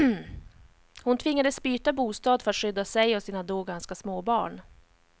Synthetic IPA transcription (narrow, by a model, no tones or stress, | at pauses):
hʊnt̪ʰvɪŋːad̪əsbyːt̪abuːst̪ɑːd̪fœɾat̪ʂʏd̪ːasɛjɔsiːnad̪oːɡanskasmoːbɑ̰ːɳ